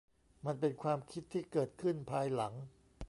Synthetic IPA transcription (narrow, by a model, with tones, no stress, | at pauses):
ma˧npe˧nkʰwaː˧mkʰi˦˥t̪ʰːiː˥˩kɤː˨˩t̪̚kʰɯ˥˩npʰaː˧jla˩˦ŋ